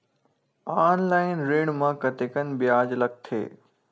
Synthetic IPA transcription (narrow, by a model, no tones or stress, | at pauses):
aːnlaːɪnɾeːɽ̃mãkɐt̪eːkənbɪjaːd͡ʑlɐk̚t̪ʰḛː